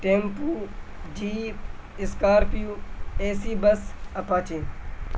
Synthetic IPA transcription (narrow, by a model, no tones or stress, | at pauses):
ʈeːmpuːd͡ʒiːɪskaːɾpɪjuːeːsiːbəsɐpaːt͡ʃẽː